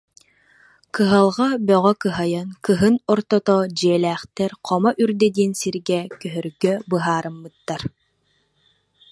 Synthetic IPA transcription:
kɯɦalˠʁabœʁœkɯɦajankɯɦɯnɔɾt̪ɔt̪ɔd͡ʑiɛlæːχt̪ɛɾqʰɔmɔʔyɾd̪ɛd̪iːnsiɾɡɛkœɦœɾɡœbɯɦaːɾɯmːɯt̪ːaɾ

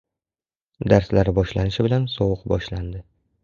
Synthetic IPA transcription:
d̪aɾslaɾɪbɒʃlanɪʃɪbɪlansɒwʊqbɒʃland̪ɪ

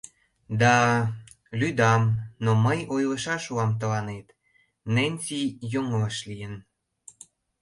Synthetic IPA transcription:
d̪ɑ | lyd̪ɑmnoməjojlə̆ʃɑʃuɑmt̪ə̆lɑnet̪ | nenʲsijoŋəlɤʃlijən

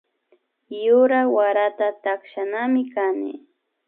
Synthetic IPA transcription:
jʊɾawaɾat̪at̪akʃanamɪkanɪ̰

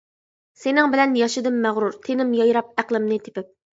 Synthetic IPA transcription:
senɪŋbɪlɛnjɑʃɨd̪ɨmːæʁɾuɾt̪ʰenɪmjɑjɾɑp̚æqlˠɪmnɪt̪ʰɪ̥pɪp̚

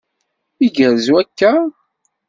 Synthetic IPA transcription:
iɡəɾzuækːæ

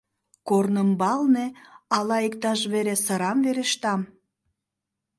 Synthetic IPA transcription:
kornəmbɑlneɑlɑekt̪ɑʃβeɾesəɾɑmveɾeʃt̪ɑm

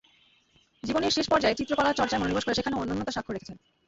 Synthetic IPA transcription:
d͡ʑiboneɾʃeʃpɔɾd͡ʑaet͡ɕit̪ːɾokɔlaɾt͡ɕɔɾt͡ɕaemononiboʃkoɾeʃekʰaneonːonːot̪oʃakʰːoɾekʰe̥t͡ɕʰen

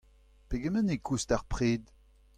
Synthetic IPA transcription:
peɡɛmɛnekʰustaʁpχeːd̪

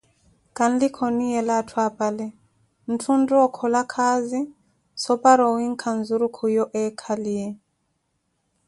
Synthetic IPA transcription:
kan̩likʰɔniɛlatʰwapalɛ | n̩tʰundɔɔkʰɔlakʰazi | sɔpaɾɔwiŋ̩kʰan̩zuɾukʰujɔʔɛkʰaliɛ

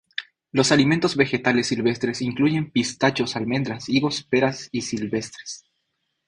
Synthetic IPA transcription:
lo̞saliment̪o̞zβe̞xe̞t̪ale̞sːilβe̞st̪ɾe̞siŋkluʝe̞mpist̪at͡ʃo̞salme̞nd̪ɾasiɣo̞speɾasisilβe̞st̪ɾe̥s

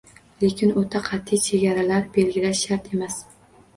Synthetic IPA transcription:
le̞kʲʰɪnot̪ʰaqʰɑt̪ʰːɪjt͡ʃʰeɡʲaɾalaɾbe̞lɡʲɪlaʃːaɾt̪ʰe̞mas

